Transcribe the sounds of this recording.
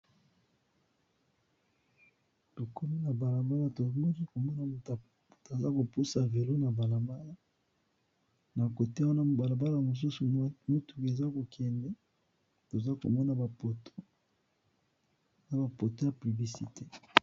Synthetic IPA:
to˨kʰɔ˦mi˦na˨ba˨la˨mba˦la˦to˨o˦i˦ko˨mɔ˦na˨t | ta˨za˦ko˨pu˦sa˨ve˨lo˦na˨ba˨la˨mba˦la˦ | na˨ko˨te˦a˦wa˦na˦ba˨la˨ba˦la˨mo˨s̬u˦su˨˦mo˦tu̥˨ke˨za˦ko˨kʰɛ˨ndɛ˦ | to˨za˦ko̰˨mɔ˦na˨ba˨po˨to˦˨ | za˦ba˨po˨to˦ja˨pli˨bi˨si˨te˦

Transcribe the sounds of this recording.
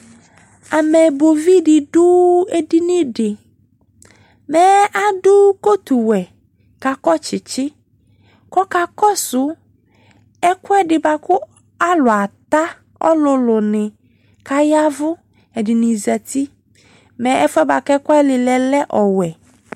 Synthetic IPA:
a˨mɛ˨bo˨vi˦dɪ˨dʊ˦e˨di˦nɪ̃˦dɪ˨ | mɛ˨a˨dʊ˦ko˦t̪u˨wɛ˨ | ka˨kɔ˦t͡ʃɪ˨t͡ʃɪ˦ | kɔ˦ka˨kɔ˦sʊ˨ | ɛ˦kʊ˦ɛ˦dɪ˨ba˨kʊ˦ | a˦lʊ˨a˨t̪a˦ | ɔ̰˦lʊ˨lʊ˨nɪ̃˨ | ka˦ja˦vʊ˦ | ɛ˨dɪ˨nɪ̃˨zɛ˨ti˦ | mɛ˨ɛ˦fɛ˦ba˨kɛ˦kɔ˦ɛ˦lɪ˨lɛ˨lɛ˦ʔɔ˨wɛ˨

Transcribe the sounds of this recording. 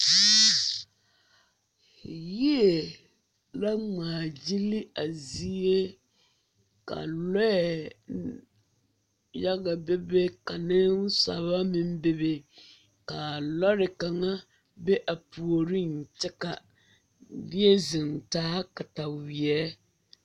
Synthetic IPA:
ji˦e˨ | la˦ŋ͡maː˨d͡ʒi˦lɪ˦a˨zi˦e˦ | ka̰˨lɔ˦ɛ˨ | ja˦ɣa˨be˦be˦ka˨nɪ˦n˦sa̰˨βa˦mɪ˦m˦be˦be˨ | ka˨lɔ˦ɾɪ˨ka˨ŋa˦ | be˦ʔa˨pu˨o˨ɾi˦n˨t͡ʃɪ˦ka˨ | dɪ˦e˦zɪ˨ntaː˦ka˨ta˨wɪ˨ɛ˦

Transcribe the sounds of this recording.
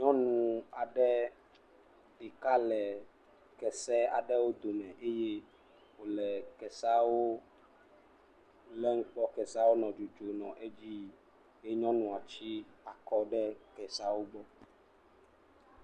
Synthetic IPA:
ɲɔ̃˦nũ˦a˨ɖɛ˦ | e˨ka˦lɛ˨ | kɛ˨sɛ˦a˨ɖɛ˦wo˦d̪o˨mɛ̃˨ʔe˦je˦ | wo˨lɛ˨kɛ˨sa˦wo˦ | lɛ˦ŋ̩˦k͡pɔ˦kɛ˨sa˦wo˦nɔ̃˨d͡ʒo˨d͡ʒo˨nɔ̃˨ʔe˦d͡ʑi˦ | e˦ɲɔ̃˦nũ˨a˨t͡ɕi˦a˨kɔ˦ɖɛ˦kɛ˨sa˦wo˦ɡ͡bɔ˦

